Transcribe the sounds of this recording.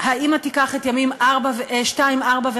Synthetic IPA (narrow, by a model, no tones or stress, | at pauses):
haimatikaχetjamimʔaʁbaveʃtaimaʁbave